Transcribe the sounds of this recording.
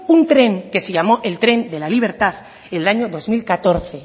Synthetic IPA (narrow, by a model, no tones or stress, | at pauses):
unt̪ɾe̞ŋke̞seʝamo̞ʔelt̪ɾe̞nd̪e̞laliβ̞e̞ɾt̪að | enlaɲoðo̞zmilkat̪o̞ɾθe̞